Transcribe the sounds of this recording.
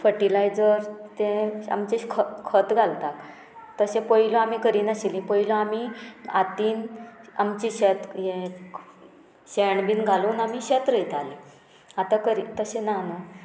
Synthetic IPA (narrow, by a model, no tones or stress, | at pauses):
fəʈilajd͡zəɾt̪ẽa̰mt͡ɕekʰəkʰət̪ɡʱalt̪ak | t̪əsẽpəiloamikəɾiːnaɕilĩpəiloamiat̪iːna̰mt͡ɕiɕet̪ɦe | ɕeɳbiːnɡʱaluːnam̤iɕet̪ɾəjt̪alĩ | at̪akəɾit̪əsẽnano